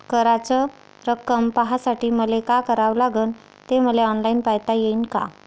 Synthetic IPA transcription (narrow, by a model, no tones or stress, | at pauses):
kəɾat͡sə | ɾəkəmpaɦasaʈiːməlekakəɾaʋlaɡəːn | t̪eməleɔnlainpajt̪ajeinka̰